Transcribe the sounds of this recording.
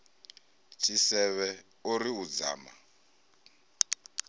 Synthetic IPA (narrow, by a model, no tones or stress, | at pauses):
t͡ʃʰisɛβɛ | uɾiud͡za̰ːma̰